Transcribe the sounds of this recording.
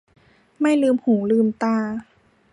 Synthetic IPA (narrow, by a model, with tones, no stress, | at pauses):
ma˥˩jlɯː˧mhuː˩˦lɯː˧mt̪aː˧˩